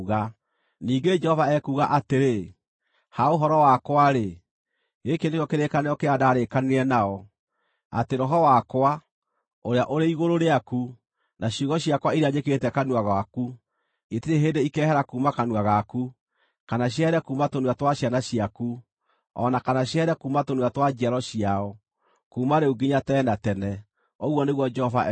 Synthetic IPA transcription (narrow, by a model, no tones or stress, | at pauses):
ɣa | niːɡed͡ʒɛhɔvaɛkuːɣaʔateɾe | haoɦɔɾɔwakwaɾe | ɣekendekjɔkeɾekanejɔkeadaːɾekaneɾɛnaɔ | a̰teɾɔɦɔwakwa | oɾeaʔoɾeiɣoɾoɾeaku | naɕjuːɣɡɔɕjakwaiɾeaɲeketɛkanwaɣwaku | etiɾeɦendeikɛːhɛɾakuːmakanuaɣaku | kanaɕjaɛɾɛkuːmatonwatwaɕjanaɕiaku | ɔ̰nakanaɕjaɛɾɛkuːmatonwatwad͡ʒiaɾɔɕiaɔ | kuːmaɾeuɡiɲatɛːnatɛnɛ | ɔɣwɔneɣwɔd͡ʒɛɔva